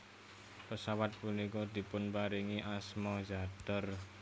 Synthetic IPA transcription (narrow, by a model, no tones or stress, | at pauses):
pəsawat̪̚punikɔd̪̥i̤pʊnpaɾiŋiʔasmɔd͡ʒad̪̥ə̤r